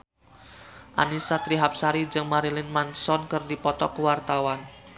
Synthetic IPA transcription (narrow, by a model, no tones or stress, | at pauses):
ʔa̰nisat̪ɾiɦap̚saɾid͡ʒɨŋmaɾilɪnmansɔnkɨrdipɔt̪ɔkəwart̪awan